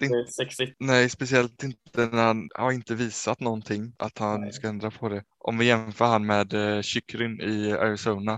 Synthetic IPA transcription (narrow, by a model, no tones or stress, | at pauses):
ɛksɪnɛjspɛsɪɛlt̪ɪnt̪ənæɾhanhaɾɪnt̪əviːsat̪nɔnt̪ʰɪŋːʔa̰t̪hanskaɛnd̪ɾapʰɔd̪ɛ | ʔɔ̰mvɪjɛmfœːɾhanːmɛːd̪ɕʏkːɾɪnɪa̰ɾɪsoːna